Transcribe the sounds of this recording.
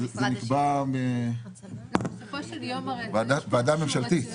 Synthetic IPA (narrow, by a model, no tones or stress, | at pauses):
zenikbame | vd̪avead̪amemʃalt̪i